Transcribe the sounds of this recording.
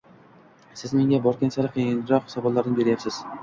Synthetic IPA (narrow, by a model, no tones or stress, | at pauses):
sɪzme̞ŋʲabɒɾkʲensaɾɪqʰijɪnɾɒqχsɒbɒllˠaɾnɪbe̞ɾɪjapsɪz̥